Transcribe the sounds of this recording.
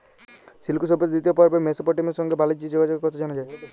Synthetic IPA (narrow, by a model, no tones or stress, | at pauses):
silkusɔbɔt̪d̪it̪̬ibapɔɾpemesopɔʈimɔsɔŋɡebalid͡ʒid͡ʒoɡad͡ʒɔkɔkɔt̪ʰad͡ʒɔñɔd͡ʒae